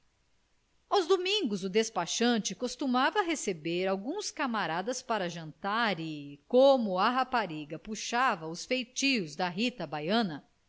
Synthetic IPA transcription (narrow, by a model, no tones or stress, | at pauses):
awzd̪omĩŋɡʊzʊd̪espaʃɐ̃t͡ʃɪkost̪umavɐɦesebeɾawɡũskamaɾad̪ɐspaɾɐʒɐ̃nt̪aɾɪkõmʊaɦapaɾiɡɐpuʃavɐʊsfejt͡ʃiʊzd̪ɐɦit̪ɐbajɐ̃nɐ